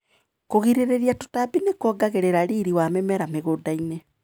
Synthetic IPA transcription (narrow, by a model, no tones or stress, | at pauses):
koɣiɾeɾeɾiato̥tabinekwɔɡaɣeɾeɾaɾiːɾiwamemɛɾameɣoːdaine